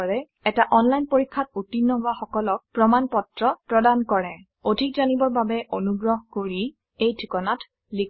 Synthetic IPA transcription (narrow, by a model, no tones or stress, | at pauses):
ɹɛ | ɛtaʔɔnlajnpoɹikʰːat̚utinːɔbaxɔkɔlɔk̚pɹɔmanpɔtɹɔpɹɔdankɔɹɛ | odʱikzanibɔɹbabɛʔonuɡɹɔɦkoɹi | ejtʰikɔnat | likʰ